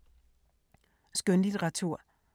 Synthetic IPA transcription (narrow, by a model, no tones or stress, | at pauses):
sɡ̥ønd̥id̥ʁɑt͡sʰuɐ̰